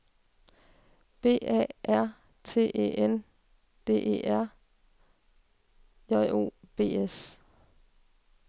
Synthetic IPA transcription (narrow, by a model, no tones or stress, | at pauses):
b̥e̝̰ːʔɛ̰ʔæɐ̰ | t͡sʰe̝̰ːʔḛʔen | d̥e̝̰ːʔe̝̰ːæɐ̰ | jɒɪʔo̝̰ːb̥e̝̰ːes